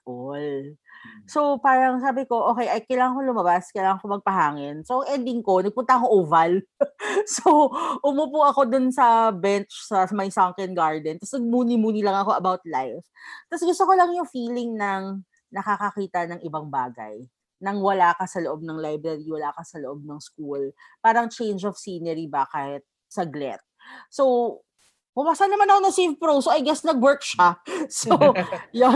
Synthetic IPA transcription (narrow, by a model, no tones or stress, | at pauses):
ʔol | so̞paːɾɐŋs̬aːbɪko̞ʔo̞ːkɛjʔɐjkɐjlaːŋɐŋkolʊmɐbaskɐjlaːŋɐŋkomɐɡ̚pɐɦaːŋɪnsoʔɐŋʔɛnd̪ɪŋko̞nɐɡ̚pʊnt̪ɐɐkoʔuvɐl | soʔʊmuːpuʔɐko̞d̪ʊnsɐbɛnt͡ʃsɐmɐjsaŋkɛnɡaɹd̪ɛnt̪ɐsnɐɡ̚muːnɪmuːnɪlɐŋɐko̞ʔɐbawt̪lajft̪ɐsɡʊst̪oko̞lɐŋjʊŋfiːlɪŋnɐŋ | nɐkakɐkiːt̪ɐnɐŋʔɪbaŋbaːɡɐ̰j | nɐŋwɐlaːkɐsɐloʔo̞b̚nɐŋlajbɾɐɾiwɐlaːkɐsɐloʔo̞b̚nɐŋskulpaːɾɐŋt͡ʃẽjnd͡ʒɔvsiːnɛɾibaːkahɪt̪̚ | sɐɡlɛ̰t̪̚sow | kʊmaːsanɐmanɐkonɐsejvpɾowsoʔɐjɡɛsnɐɡwɛɹkʃasojo